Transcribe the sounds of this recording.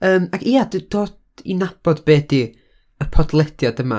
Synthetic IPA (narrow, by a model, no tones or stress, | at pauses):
əːmakʰiːadd̥oːd | ḭnab̥ɔdbeːdi | əpʰɔdlˠɛd̥jadəma̰